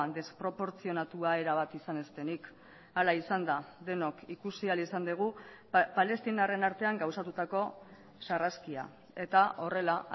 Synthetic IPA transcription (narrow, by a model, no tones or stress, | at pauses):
nd̪e̞spɾo̞po̞ɾt͡sio̞nat̪uae̞ɾaβ̞at̪isane̞st̪e̞nik | alaisand̪aðe̞no̞kikusialisand̪eɣ̞u | pale̞st̪inare̞naɾt̪e̞aŋɡawsat̪ut̪ako̞ | saraskia̰ | e̞t̪aʔo̞re̞la